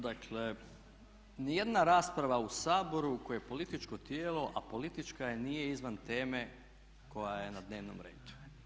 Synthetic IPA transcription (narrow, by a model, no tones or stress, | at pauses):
d̪akʰle | nije̞d̪naɾaːspɾaʋausaːbo̞ɾukojepo̞lit̪it͡ʃko̞t̪jeːlo̞ʔapo̞lit̪it͡ʃkajenije̞izʋant̪e̞ːme̞ | ko̞jaje̞nad̪ne̞ːʋno̰mɾḛːd̪̥u̥